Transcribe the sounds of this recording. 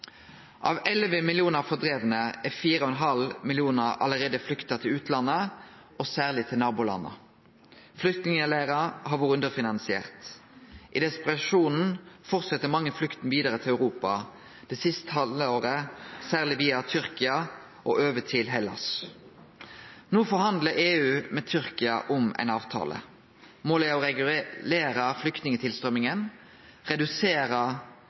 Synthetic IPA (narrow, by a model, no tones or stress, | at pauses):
ʔɑ̰ːʋɛlʋəmɪlɪuːnəʁfɔd̪ʁeːʋənəɛfiːɾəɔɛnɦɑlmɪlɪuːnəʁɑ̰ləʁeːd̪əflʏkt̪ɑt̪ʰɪlʉːt̪ʰlɑnːə | ʔosæːʁlɪt̪ʰɪlnɑːbʊlɑ̰nːə̰ | flʏkt̪nɪŋəlæːʁɑɦɑʋuːʁəʉnd̪əfɪnɑnsɪḛːʁt̪ʔɪd̪ɛspʁɑʃuːnn̩fɔʁt̪sɛt̪ːəmɑŋːəflʏkt̪n̩ʋiːd̪əʁət̪ʰɪlæʉʁuːpɑ | d̪̥ɛsɪst̪hɑləoːɾəsæːʁlɪʋiːɑt̪ʰʏɾkɪɑ | ʔo̰ʔøːʋət̪ʰɪlɦɛlɑ̰s | noːfɔɾhɑnd̪ləɾeːʉːmɛt̪ʰʏɾkɪɑʔʊmæ̰ɪnɑːʋt̪ʰɑ̰ːlʔə̰ | moːlæɔʁɛʉleːɾəflʏkt̪nɪŋət̪ʰɪlst̪ʁœmɪŋən | ʁɛd̪ʉseːɾə